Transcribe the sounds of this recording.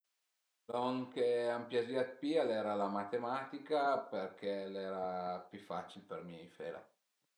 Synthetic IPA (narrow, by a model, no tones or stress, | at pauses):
noŋkeampjad͡ʒiat̪̚pialɛːɾalamat̪emaːt̪ikaperk̟elɛːɾapjyfat͡ʃilpermiifḛːla̰